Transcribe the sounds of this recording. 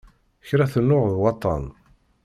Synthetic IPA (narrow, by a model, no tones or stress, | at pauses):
çɾæθənːʊʁðwɑt̪ˤːɑ̰n